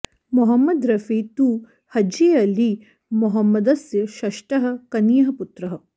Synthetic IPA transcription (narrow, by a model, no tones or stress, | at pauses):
mɔɦɐmːɐd̪ɾɐfit̪uː | hɐd͡ʒiɐli | mɔɦɐmːɐd̪ɐsjɐʃɐʃʈɐɦɐ̆kɐnijɐɦɐput̪ɾɐɦɐ